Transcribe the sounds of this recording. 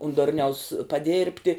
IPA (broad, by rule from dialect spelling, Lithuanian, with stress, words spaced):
ʊn ˈdʊrʲnʲɛʊs pɐˈdʲeːrʲpʲtʲɪ